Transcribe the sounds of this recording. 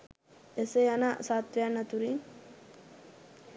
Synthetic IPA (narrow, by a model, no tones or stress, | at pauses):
esejanasat̪ʋejanːat̪uɾiŋ